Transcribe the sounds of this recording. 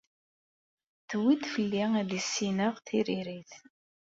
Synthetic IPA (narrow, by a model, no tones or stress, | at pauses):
θwid̪fəlːiæðisːinəʁθiɾiɾiθ